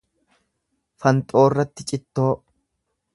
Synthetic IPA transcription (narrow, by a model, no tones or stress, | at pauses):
fɐnt̪ʼo̞ːrːɐt̪ːɪt͡ʃʼɪt̪ːo̞ː